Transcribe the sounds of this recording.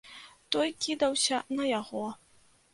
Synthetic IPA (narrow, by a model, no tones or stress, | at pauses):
t̪ɔjkʲid̪ɐwsʲɐnɐjaɣɔ